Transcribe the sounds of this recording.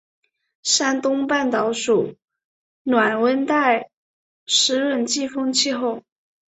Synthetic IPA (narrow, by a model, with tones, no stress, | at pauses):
ʂa˥nt̪ʊ˥ŋpa˥˩nt̪ɑ˧˥ʊʂu˨˩ | nwa˨˩nwə˥nt̪a˥˩ɪ | ʂɻ̩˧˥ɻə˥˩nt͡ɕi˥˧fɤ˥ŋt͡ɕʰi˥˧xo˥˩ʊ